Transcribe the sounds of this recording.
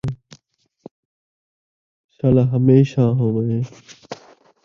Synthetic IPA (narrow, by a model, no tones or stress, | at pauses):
ʃaːlaːɦəmeːʃãːɦõːməɦẽː